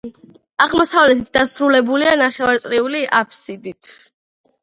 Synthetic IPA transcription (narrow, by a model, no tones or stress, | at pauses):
aʁmɔsavlɛt̪ʰit̪̚d̪asɾulɛbulianaχɛvaɾt̪sʼɾiuliʔapʰsid̪it̪ʰ